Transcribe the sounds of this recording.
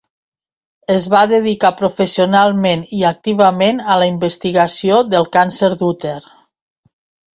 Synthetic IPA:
əzβaðəðikapɾufəsionalˠmeniak̚t̪iβ̞əmenələimbəst̪iɣasioðəlˠkansəɾd̪ut̪eɾ

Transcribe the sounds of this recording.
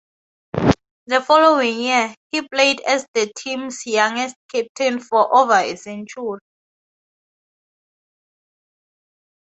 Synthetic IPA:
ðəfɔlowĩŋjihiplejdɛsdətʰĩmsjãŋɛst̚kʰɛp̚tʰĩnfɔʔovaḭsĩnt͡ʃʰu

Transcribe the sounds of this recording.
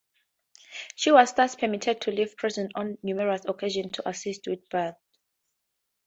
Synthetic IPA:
ʃiwɔzθaspʰɛmitʰɛd̚tʰuliv̥pʰɹ̥izɔ̃nɔ̃nːjumɛɹasɔkʰeʒɔ̃ntʰuʔasistʰwiðbɛθ

